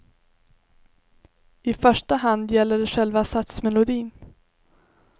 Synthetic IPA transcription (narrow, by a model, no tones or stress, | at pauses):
ɪfœʂʈaɦand̪jɛlːəɖɛɧɛlvasat̪smɛlʊd̪iːn